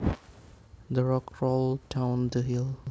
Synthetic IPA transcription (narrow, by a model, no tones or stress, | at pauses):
d̪əɹɔkɹolˠdãʊ̃nd̪əɦil